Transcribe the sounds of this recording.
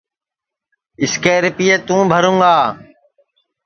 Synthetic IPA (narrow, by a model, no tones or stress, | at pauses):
ɪskeːɾpiːeːt̪ũːbʱəɾũːɡaː